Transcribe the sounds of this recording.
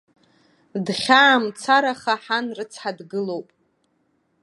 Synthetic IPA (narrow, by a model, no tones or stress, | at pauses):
dχʲaːmt͡sʰaɾaχaħanrɨt͡sʰħadɡɨlo̞wpʼ